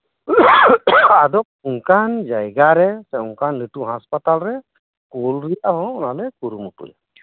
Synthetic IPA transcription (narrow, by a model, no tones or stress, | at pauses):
adɔk̚uŋkand͡ʒajɡaɾɛsɛuŋkanlituɦaspatalɾɛ | kolɾijaɦɔ̃ɔnalɛkuɾumutṵj